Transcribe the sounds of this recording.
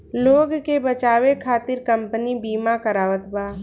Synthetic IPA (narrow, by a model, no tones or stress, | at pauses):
loːɡkebət͡ʃaːʋekʰaːt̪ɪɾkɐmpənibiːmakəɾaːʋət̪baː